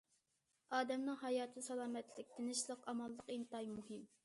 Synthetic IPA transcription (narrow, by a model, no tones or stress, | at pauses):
ɑːd̪ɛmnɨŋɦɑjɑːt̪ʰɨsɑlˠɑːmɛt̪lɪk̚ʲt̪ʰɪnɪʃlˠəqɑmɑlˠːəqint̪ɑjmuɦɪm